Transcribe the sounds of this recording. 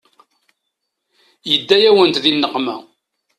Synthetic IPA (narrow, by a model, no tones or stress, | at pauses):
jəd̪ːæjæwənt̪ðinːəqmæ̰